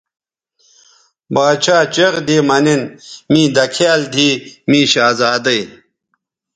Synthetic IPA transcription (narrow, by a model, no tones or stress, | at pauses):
baːt͡ɕʰaːt͡ɕeɣd̪iːmɐninmĩːd̪ɐkʰjaːld̪ʱiːmĩːɕaːzaːd̪ɐj